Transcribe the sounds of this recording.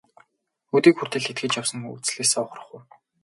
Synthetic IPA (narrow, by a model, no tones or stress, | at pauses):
ut̪iːkxur̥t̪ɘ̆ɮxet̪̚ɡɘ̆t͡ɕjawsə̆ŋṵt͡sɮeːsɔχ̆rə̆χuj